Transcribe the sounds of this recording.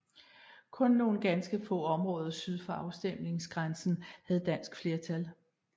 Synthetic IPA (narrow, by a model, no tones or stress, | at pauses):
kʰɔ̽nːo̝ːn̩ɡ̥ænsɡ̥əfɔ̰̽ːɒ̽mʁɔ̽ːð̞ˠɐsyð̞ˠfɒɑ̈ʊsd̥em̰ne̝ŋsɡ̥ʁansn̩hæð̞̩ˠd̥æn̰sɡ̥fle̝ɐt͡sʰæl